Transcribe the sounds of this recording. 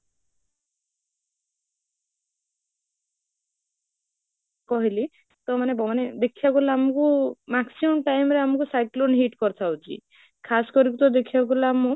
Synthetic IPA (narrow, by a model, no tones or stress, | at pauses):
kɔɦili | t̪ɔmanebɔaned̪ekʰiakulaːmɔkumaksimɔmʈajmɾeamɔkusajklonɦiʈkɔɾt̪ʰawt͡ʃʰḭ | kʰasɔ̥kɔɾikut̪ɔd̪ekʰibak̬ulamu